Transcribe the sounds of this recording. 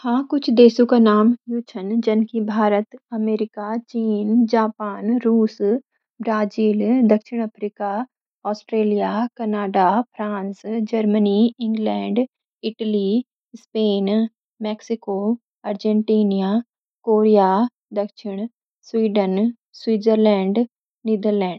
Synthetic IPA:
hãːkʊt͡ʃʰd̪eːsõkanaːmjut͡ʃʰənd͡ʒɐnkibʱaːɾət̪ɐmeːɾɪkat͡ʃiːnd͡ʒaːpaːnɾuːs | bɾaːd͡ʒiːld̪ɐkʃɪɽ̃ɐpʰɾiːka | ɔːsʈɾeːlijakɐnaːɖapʰɾãːnsd͡ʒɐɾməniɪ̃ŋɡlɛ̃ːɳɖ | ɪʈəli | speːn | mɛːksɪkoː | ɐɾd͡ʒɛ̃ɳʈiːnija | koːɾijaː | d̪ɐkʃɪɽ̃ | swiːɖən | swiːd͡ʒəɾlɛ̃ːɳɖ | niːd̪əɾlɛ̃ːɳɖ

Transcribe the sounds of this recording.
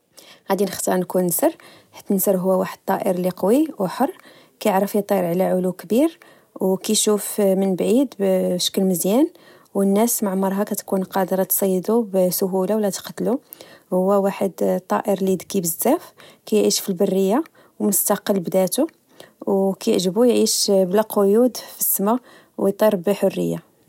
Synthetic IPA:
ʕad̪inəxt̪ɑɾˤnkunnsəɾˤ | ħḁt̪ːnsəɾˤɦʊwːæwaħəd̪̚t̪ˤːɑʔəɾliqɑwiwħərˤː | kæjəʕɾˤəfit̪ˤːɑəɾʕlæʕʊlukbiɾ | wkæʃufmənbʕid̪bʃə̥kːəlməzjæn | wənːæsmaʕmɑɾˤɦɑkæt̪kunqɑd̪əɾˤɑt̪sˤɑjːd̪ubsʊɦulawlːæt̪qt̪lu | hʊwːæwaħəd̪t̪ˤːɑ̰ʔəɾlid̪kibəzːæfkæjʕiʃfilbərːəjːa | wmʊst̪ɑqəlːbd̪æt̪u | wkæjʕʒəbujʕiʃblæqʰojud̪fəsːma | wjt̪ˤɑɾˤbħorːə̰jːa

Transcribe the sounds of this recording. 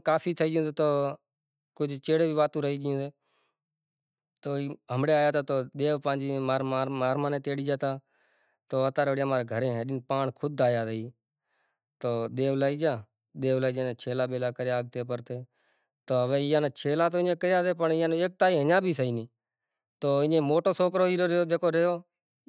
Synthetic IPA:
kaːpʰiːt̪ʰəiːd͡ʒõːd̪eːt̪oː | kʊd͡ʒʱt͡ʃeːɽeːbʱiːʋaːt̪ũːɾəɦiːd͡ʒɪjõːd̪eː | t̪oːiɦəmɽeːaːjaːt̪aːt̪oːɗ̪eːʋpãːd͡ʒiːmaːɾaːmaːɾmãːneːt̪eːɽiːd͡ʒaːt̪aː | t̪oːət̪aːɾeːɽjaːmaːɾeːɡʱəɾeːɦɛ̃ːɗɪnpaːɳkʰʊd̪ʱaːjaːd̪əiː | t̪oːɗ̪eːʋlaːiːd͡ʒaː | ɗ̪eːʋlaːiːd͡ʒãːnːt͡ʃʰeːlaːbeːlaːkəɾjaːɡ̚t̪eːpəɾt̪eː | t̪oːəʋeːɪjãːneːt͡ʃʰeːlaːt̪oːɪɲẽːkəjaːt̪eːpəɳɪjãːnːeːk̚t̪aːiːɦəɲãːbʱiːsəiːnĩː | t̪oːɪ̃ẽːmoːʈoːsoːkɾoːiːɾɾoːd̪eːkʰoːɾeːoː

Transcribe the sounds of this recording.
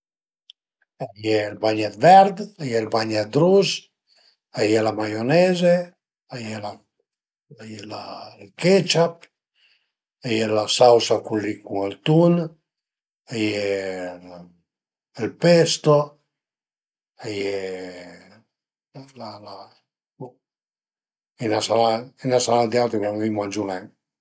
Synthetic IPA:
ajɛlbaɲat̪vɛɾd̪ajɛlbaɲat̪̚d̪ɾuz | ajɛlamajonɛze | ajɛla | ajɛlalket͡ʃap̚ | ajɛlasawsakulikuŋalt̪un | ajɛ | ɛlpɛst̪o | ajɛ | lala | inasalainasalad̪ialt̪ɾikanvimwand͡ʒulɛŋ

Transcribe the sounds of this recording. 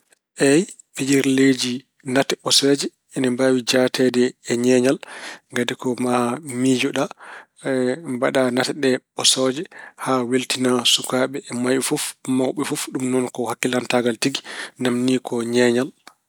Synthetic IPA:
ʔɛj | fid͡ʒiɾled͡ʒi | natɛɓɔsɔd͡ʒɛ | ɛnɛmbawid͡ʒatɛdɛːɲɛɲalŋɡadikɔmamid͡ʒɔɗa | mbaɗanatɛɗɛɓɔsɔd͡ʒɛhaweltinasukaɓɛːmajɛfufmawɓɛfufɗumnɔnkɔhakːilantaɡaltiɡinamnikɔɲɛɲal

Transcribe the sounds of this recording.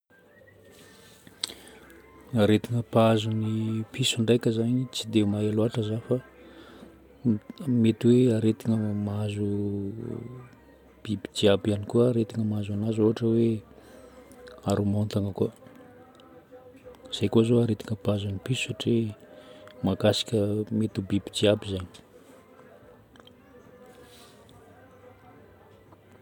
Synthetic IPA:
aɾet̪iŋəpazunipisuɳɖ͡ʐajkʲəzaɲit͡sid̪eumaeloaʈ͡ʂəzafa | met̪iweaɾet̪iŋəmazu | b̥ibid͡ʒiabianikuəːɾet̪iŋəmazanazoɦaʈ͡ʂəwe | aɾumont̪aŋəku | z̥ejkozoaɾet̪i̥ŋəpazanipisu̥saʈ͡ʂe | makasi̥kʲəmet̪ubibid͡ʒiabizaɲi

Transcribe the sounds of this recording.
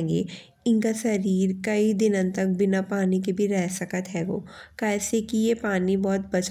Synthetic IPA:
ŋɡḛː | ɪnkasɐɾiːɾkɐid̪ɪnə̃nt̪ɐk̚bɪnapaːnik̬ebʱiɾɛɦsəkət̪ɦɛːɡoːkɛːsekijepaːnibɔːt̪̚bɐt͡ʃ

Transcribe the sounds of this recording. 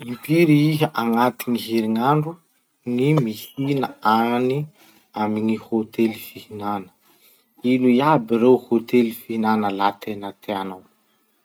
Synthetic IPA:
impiɾiiɦəʔaŋat̪iŋiɦeɾiŋaɳɖ͡ʐu | ŋimisinəani | amiŋihot̪elifihinanə̥ | iluiabiɾewhot̪elifiinanəlat̪ʰenat̪ʰeanaw

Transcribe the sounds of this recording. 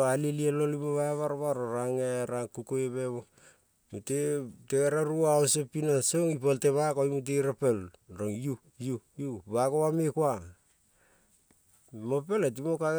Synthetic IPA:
alilielolimoβaβaɾβaɾoɾaŋeɾaŋkukoeβeβo | muteteɡeɾaɾuaosepinaseoŋipolteβakoimut̬eiɾapelɾoŋju | jujuβakoβamekua | mope̞let̬imoka

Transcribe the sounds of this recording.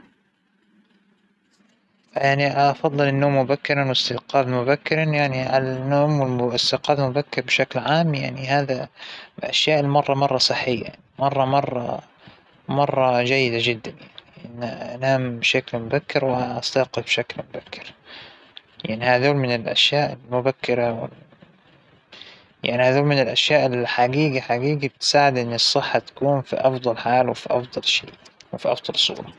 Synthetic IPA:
jaʕniʔfɑðˤːɨlɪnːoːmːʊbakːɪɾˤɑnwɪst̪ɪqɑːd̪mʊbakːɪɾˤɑnjaʕniʕalanːoːmwɪlɪst̪ɪqɑːd̪mʊbakːɪɾbʃaklʕaːmjaʕnihaːðaʔaʃjaːʔɪlmɑrˤːɑmɑrˤːɑsˤɨħːɪjːa̰ | mɑrˤːɑmɑrˤːɑ̰ | mɑrˤːɑd͡ʒajːɪd̪ad͡ʒɪd̪ːanjaʕniʔɪnːanaːmbʃaklmʊbakːɪɾwɪaʔast̪ɑːqɪlbʃaklmʊbakːɪ̥ɾ | jaʕnihaðoːlmɪnɪlʔa̰ʃjaːʔɪlmʊbakːɪɾawɪ̰l | ja̰ʕnihaːðoːlmɪnɪlʔaʃjaːʔɪlħaɡiːɡaħaɡiːɡabɪt̪saːʕɪd̪ʔɪnːɨsˤːɨħːat̪ḁkuːnfḭʔɑfd̪ˤɑlħaːlwɪfiʔɑfd̪ˤɑlʃḛːwɪfiʔɑ̰fd̪ˤɑlsˤṵːɾˤɑ

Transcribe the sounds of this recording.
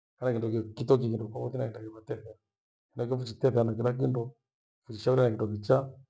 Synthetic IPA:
kanakindɔkkitɔk̬ikindɔaβɔtinaindakiβatɛθɛa | kinak̬ɔfut͡ʃitɛθɛanakinak̬indɔ | fut͡ʃiʃauɾanakindɔkit͡ʃa

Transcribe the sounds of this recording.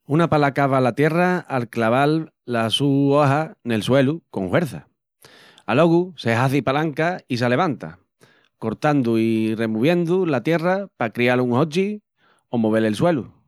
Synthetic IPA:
unapalakaβalat̪je̞raalklaβalː | asuaɦane̞lswe̞luko̞ŋhwe̞ɾθa | alo̞ɣuseɦaθipalaŋkais̬ele̞β̞ant̪a̰ | ko̞ɾt̪and̪uire̞muβ̞je̞nd̪ulat̪je̞rapakɾialuŋho̞t͡ʃi | o̞moβ̞e̞lelswe̞lu

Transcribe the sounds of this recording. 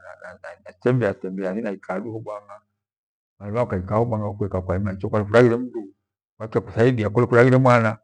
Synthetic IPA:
aaanatɛmbɛatɛmbɛasinaikʰaːɗuhɔɓwaŋɡa | maliakaikahɔɓaŋɡaɔkuɛkakwaimait͡ʃɔkwalɛfuɾaɣiɾɛm̩duu | kwakiakusaiɗiakulɛkuɾaɣiɾɛmwana

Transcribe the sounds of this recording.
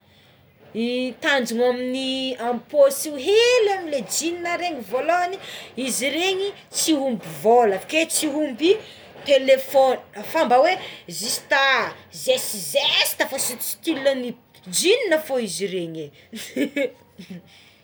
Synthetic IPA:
it̪and͡ʒuŋaminiamposiuɦelamled͡ʒininəɾeɲivoloaniiziɾeɲi | t͡siɦumbivolafket͡siɦumbi | t̪elefonafambawezisi̥t̪azesizesi̥t̪afosit͡si̥k̪ilani | d͡ʒininəfoiziɾeɲe

